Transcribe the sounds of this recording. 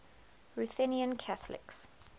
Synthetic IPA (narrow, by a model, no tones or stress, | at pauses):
ɹuθɛniə̃nkʰaθəlɪ̰ks